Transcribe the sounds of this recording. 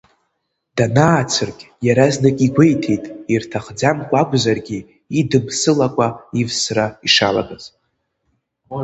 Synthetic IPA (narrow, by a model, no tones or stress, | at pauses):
d̥anaːt͡sʰɨrkʲʼ | jaɾaznakʲʼiɡʷejtʰejtʼirtʰaχd͡zamkʷʼakʷʼzarɡʲiː | dɨmsɨlakʷʼaivsraiʂala̰ɡʼazʼ